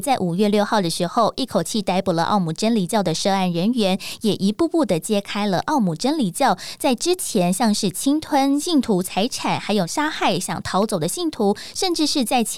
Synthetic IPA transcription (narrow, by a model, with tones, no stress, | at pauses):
t͡sa˥˩ɪʔu˨˩ɥɛ˥˧ljo˥˧ʊxɑ˥˩ʊd̪ə˩ʂɻ̩˧˥xo˥˧ʊʔi˥˩kʰo˨˩ʊt͡ɕʰi˥˩t̪a˧˥ɪpu˨˩lə̰˦ʔɑ̰˥˩ʊmu˨˩ʈ͡ʂə˥nli˨˩t͡ɕjɑ˥˩ʊd̪ə˩ʂɤ˥˧a˥˩nɻə˧˥nɥɛ˧˥njɛ˨˩ʔi˧˥pu˥˧pu˥˩d̪ə˩t͡ɕjɛ˥kʰa˥ɪlə˨ʔɑ˥˩ʊmu˨˩ʈ͡ʂə˥nli˨˩t͡ɕjɑ˥˩ʊt͡sa˥˩ɪʈ͡ʂɻ̩˥t͡ɕʰjɛ˧˥nɕjɑ˥˧ŋʂɻ̩˥˩t͡ɕʰi˥ŋt̪ʰwə˥nɕi˥˩ŋt̪ʰu˧˥t͡sʰa˧˥ɪʈ͡ʂʰa˨˩nxa˧˥ɪjo˨˩ʊʂa˥xa˥˩ɪɕjɑ̰˨˩ŋt̪ʰɑ˧˥ʊt͡so˨˩ʊd̪ə˦ɕi˥˩ŋt̪ʰu˧˥ʂə˥˧nʈ͡ʂɻ̩˥˧ʂɻ̩˥˧t͡sa˥˩ɪt͡ɕʰ